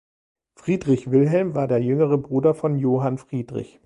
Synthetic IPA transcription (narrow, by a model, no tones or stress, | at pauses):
fʁ̥iːdʁɪçv̥ɪlɦɛlmvaːɐdeːɐjʏŋəʁ̞əbʁuːdɐfɔnjoːɦanfʁ̥iːdʁɪ̰ç